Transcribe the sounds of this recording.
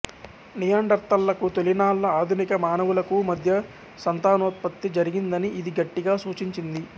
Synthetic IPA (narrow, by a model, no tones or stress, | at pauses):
nijaːɳɖɐɾt̪ːɐlːɐkut̪olinaːlːɐaːd̪ʱunikɐmaːnɐʋulɐkumɐd̪ʱjɐ | sɐnt̪aːnɔːt̪̚pɐt̪ːid͡ʒɐɾiɡind̪ɐniʔid̪iɡɐʈːiɡaːsuːt͡ʃiɲt͡ʃind̪i